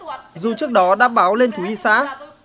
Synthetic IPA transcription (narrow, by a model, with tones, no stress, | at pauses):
zu˨˩t͡ɕɨ˦˥ək̚ɗɔ˨˦ɗa̰ː˧˥ɓaː˨˦wle˧nt̪ʰu˨˦i˧sa̰ː˧˥